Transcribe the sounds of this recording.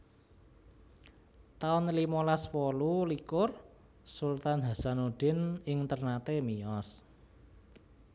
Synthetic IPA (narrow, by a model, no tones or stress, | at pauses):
t̪aʊnlimɔlaswɔlulikʊr | sult̪anɦa̤sanoɖ̥ɪ̤nɪŋt̪ərnat̪emiɔs